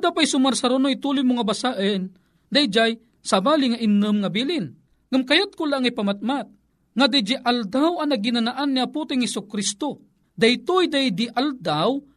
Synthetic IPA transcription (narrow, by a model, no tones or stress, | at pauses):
ad̪apajsʊmarsaɾonojt̪ulʊjmʊŋabasaʔən | d̪ajd͡ʒaj | sabaːliŋaʔinːɨmŋabilɪn | ŋamkajat̪̚kʊlaŋajpamat̪̚mat̪̚ | ŋad̪ajd͡ʒiʔald̪awanaɡinanaʔanːiaput̪ɪŋhɛsʊkɾist̪o | d̪ajt̪ujd̪ajd̪iʔald̪aw